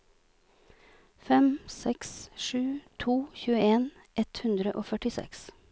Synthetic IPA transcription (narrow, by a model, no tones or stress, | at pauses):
fɛmsɛksʃʉːt̪ʰuːçʉːəeːn | ʔɛt̪hʉnd̪ɾəʔoːfœʈɪsɛ̰ks